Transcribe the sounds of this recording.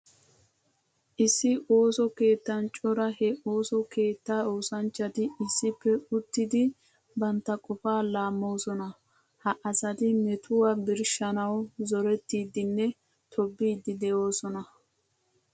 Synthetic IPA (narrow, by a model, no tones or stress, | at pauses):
ʔɪsːɪʔo̞ːsɔke̞ːt̪ːɐnt͡ʃʼɔɾɐhɛʔo̞ːsɔke̞ːt̪ːaːoːsɐnt͡ʃːɐt̪ɪɪsːɪpːɛʊt̪ːɪd̪ɪ | bɐnt̪ːɐkʼɔfaːlaːmːo̞ːsɔnɐ | hɐʔɐsɐt̪ɪmɛt̪ʊwabɪɾʃɐnɐwzɔɾɛt̪ːiːd̪ɪnːɛ | t̪ʰɔbːiːd̪ɪd̪ɛjo̞ːsɔnɐ